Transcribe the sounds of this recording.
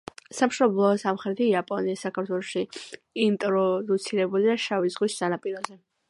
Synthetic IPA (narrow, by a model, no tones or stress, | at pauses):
samʃɔblˠɔːsamχɾɛt̪ʰiapʼɔniisakʰaɾt̪ʰwɛlˠɔʃi | int̪ʼɾɔd̪ut̪sʰiɾɛbuliaʃavizʁwisːanapʼiɾɔzɛ